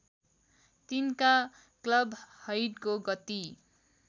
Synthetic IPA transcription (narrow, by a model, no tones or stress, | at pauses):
t̪inka | klʌbʱhʌjɖkoɡʌt̪i